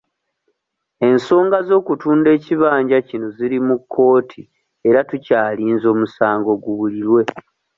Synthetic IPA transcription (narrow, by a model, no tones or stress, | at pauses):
e̞nso̞ːŋɡazo̞ːkutuːnde̞ːciβaːɲɟacino̞ziɾimukʰːo̞ːtʰi | e̞ɾatucaːliːnzo̞ːmusaːŋɡo̞ɡuβuliɾwe̞